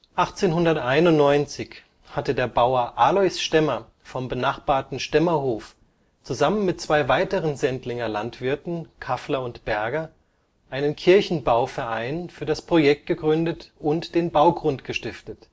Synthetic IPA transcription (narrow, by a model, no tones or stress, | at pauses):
ʔaχt͡seːnɦʊndɐtʔaɪnʊntnɔʏnt͡sɪç | hatədeːɐbaʊɐʔaːlɔʏsʃtɛmɐ | fɔmbənaχb̥aːɐtn̩ʃtɛmɐhoːf | t͡suzamənmɪt̚t͡sv̥aɪvaɪtəʁənzɛntlɪŋɐlantv̥ɪɐtn̩kʰaflɐʊntb̥ɛɐɡɐ | ʔaɪnənkʰɪɐçn̩baʊfɛɐʔaɪnfyːɐɾaspʁ̥ojɛk̚t̚ɡ̥əɡʁʏndətʊntd̥eːnbaʊɡʁʊntɡ̥əʃtɪftət